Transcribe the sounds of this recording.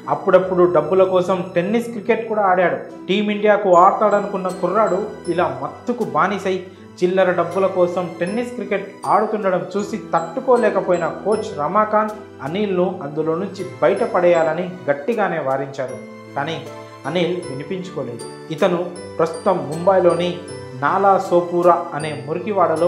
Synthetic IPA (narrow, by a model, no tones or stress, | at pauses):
ɐpːuɽɐpːuɽuɖɐbːulɐkɔːsɐmʈe̞nːiskɾike̞ʈ̚kuːɽaːɽjaːɽu | ʈiːmiɳɖijaːkuaːɾt̪aːɽɐnukunːɐkurːaːɽuilaːmɐt̪ːukubaːnisɐj | t͡ʃilːɐɾɐɖɐbːulɐkɔːsɐmʈe̞nːiskɾike̞ʈ̚aːɽukuɳɖɐɽɐmt͡ʃuːsit̪ɐʈːukoːlɛːkɐpoːjinɐko̞ːt͡ʃɾɐmaːkaːn | ɐniːlnuɐnd̪ulo̞ːnuɲt͡ʃibɐjʈɐpɐɽɛjaːlɐniɡɐʈːiɡaːne̞ːʋaːɾiɲt͡ʃaːɾu | kaːniː | ɐniːlʋinipiɲt͡ʃu̥koːle̞ːd̪u | it̪ɐnu | pɾɐst̪u̥t̪ɐmːumbɐjlo̞ːninaːlaːsoːpuːɾaɐne̞ːmuɾukiʋaːɽɐloː